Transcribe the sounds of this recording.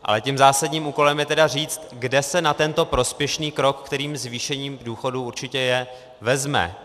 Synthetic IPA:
ʔa̰lɛcimzaːsaɟɲiːmʔuːko̞lɛmjɛt̪ɛdar̝iːt͡st̪ɡdɛsɛnat̪ɛnt̪o̞pɾo̞spjɛʃniːkɾo̞kːt̪ɛɾiːmzviːʃɛɲiːmduːxo̞duuɾt͡ʃɪcɛjɛ | vɛzmɛ̰

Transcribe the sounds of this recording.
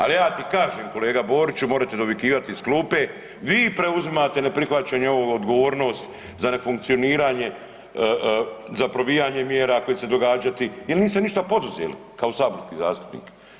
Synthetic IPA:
a̰lijaːt̪ikaːʒeːmko̞leːɡabo̞ːɾit͡ʃumoɾat̪ed̪oʋikiːʋat̪iiskluːpe | ʋiːpɾe̞uzimaːt̪e̞ne̞pɾixʋat͡ɕaɲeoʋoɡod̪ɡoʋoːɾno̞ːst̪ | zane̞fuŋk̪̚sio̞niːɾaːɲe̞ | zapɾo̞ʋijaːɲe̞mjeːɾako̞jese̞d̪o̞ɡaːd͡ʒat̪ijelniːst̪eniʃt̪apo̞d̪uzḛːlḭkao̞saːbo̞ɾskiːza̰ːst̪u̥pnḭːk

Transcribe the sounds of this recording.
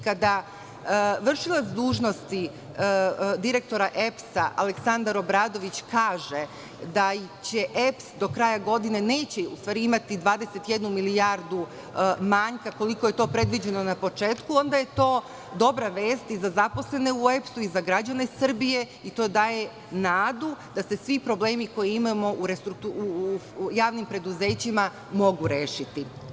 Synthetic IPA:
kad̪a | ʋr̩ʃilˠatsd̪uːʒno̞st̪i | d̪iɾe̞k̚t̪o̞ɾaʔe̞psaʔa̰leksand̪aɾo̞bɾaːd̪o̞ʋit͡ɕkaːʒe̞ | d̪ait͡ɕe̞ʔepsd̪o̞kɾaːjaɡo̞d̪ine̞ne̞ːt͡ɕeṵst̪ʋaːɾiimat̪id̪ʋaːd̪e̞se̞t̪jed̪numilijaɾd̪u | maɲkako̞liko̞je̞t̪o̞ːpɾe̞d̪ʋid͡ʑe̞no̞napo̞t͡ʃe̞ːt̪kuo̞nd̪aje̞t̪o̞ː | d̪o̞bɾaʋe̞ːst̪izazapo̞sle̞ne̞ue̞psuizaɡɾad͡ʑane̞sr̩bije̞ | it̪o̞ːd̪aːje̞ | naːd̪ud̪ase̞sʋipɾo̞ble̞ːmiko̞jiimamo̞ʔuɾest̪ɾuk̚t̪uujaːʋnimpɾe̞d̪uze̞ːt͡ɕima | mo̞ɡuɾe̞ːʃit̪i

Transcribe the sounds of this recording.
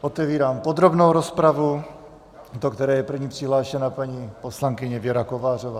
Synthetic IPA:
ʔot̪ɛviːɾaːmpod̪ɾo̞bno̞wɾo̞spɾavu | t̪okt̪ɛɾɛːjɛpr̩vɲiːpr̥ɪɦlaːʃɛnapaɲiposlaŋkɪɲɛvjɛɾakovaːr̝ovaː

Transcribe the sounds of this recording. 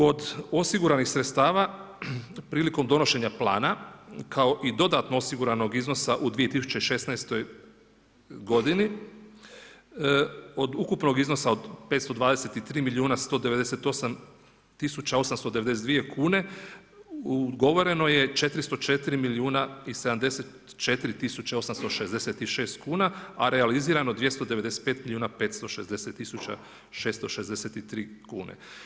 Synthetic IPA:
o̞d̪o̞siɡuɾanixsɾet̪st̪aːʋa | pɾiːliko̞md̪o̞no̞ʃe̞ɲaplˠa̰ːnakʰao̞ʔid̪o̞d̪at̪noosiɡuɾano̞ɡizno̞saʔud̪ʋije̞t̪isu̥t͡ʃeiʃe̞snaest̪o̞j | ɡo̞d̪ini | o̞d̪ukupno̞ɡizno̞sao̞d̪pe̞t̪st̪o̞d̪ʋaːd̪e̞se̞t̪it̪ɾiːmiliuːnast̪o̞d̪e̞ʋe̞d̪e̞se̞t̪o̞sam | t̪isut͡ɕao̞samst̪o̞d̪eees̬ed̪ʋije̞kʰuːne̞ | uɡo̞ʋo̞ɾe̞no̞je̞t͡ʃe̞t̪ɾist̪ot͡ʃe̞t̪iɾimiliuːnaise̞d̪amd̪e̞set̪ | t͡ʃe̞t̪iɾit̪isut͡ɕeo̞samst̪o̞ʃe̞zd̪e̞set̪iʃe̞ːst̪kuːnaaɾealiziːɾanod̪ʋje̞st̪od̪eed̪ese̥t̪peːt̪milʲiuːnape̞ːt̪st̪o̞ʃezd̪e̞set̪ːisut͡ɕa̰ | ʃe̞ːst̪o̞ʃe̞zd̪e̞set̪it̪ɾiː | kuːnḛ

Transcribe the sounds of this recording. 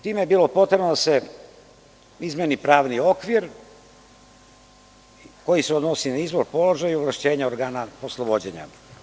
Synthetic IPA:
t̪iːmejebiːlˠo̞pot̪ɾebnod̪ase | izmenipɾaːʋnio̞kʋiɾ | ko̞jiseod̪nosinaizboɾpo̞lˠo̞ʒajioʋlˠaʃt͡ɕe̞ːɲaoɾɡaːnaposlˠobod͡ʑeɲa̰

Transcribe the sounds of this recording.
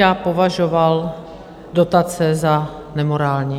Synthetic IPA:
aːpo̞vaʒoval | do̞t̪at͡sɛza | nɛmoɾaːlɲi

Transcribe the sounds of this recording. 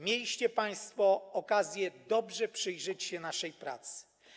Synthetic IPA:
mʲjelʲiɕt͡ɕɛpaj̃st̪fɔɔkazʲjɛd̪ɔbʐɛpʂɘjʐɛt͡ɕɕɛnaʂɛjpɾa̰t̪sɘ̥

